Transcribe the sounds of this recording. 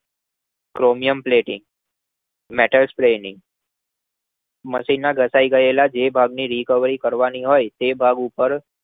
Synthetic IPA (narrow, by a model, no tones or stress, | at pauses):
kɾomijəmpleʈɪŋɡ | meʈəlspɾenɪŋɡ | məsinaɡʱəsaiɡəjelad͡ʒebʱaɡniːɾikəʋɾiːkəɾʋaniɦoːjt̪ebʱaɡupəɾ